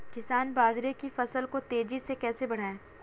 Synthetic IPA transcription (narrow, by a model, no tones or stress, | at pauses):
kɪsaːnbaːd͡ʒɾekifɐsəlkot̪eːd͡ʒisekɛːsebɐɽ̤aːẽː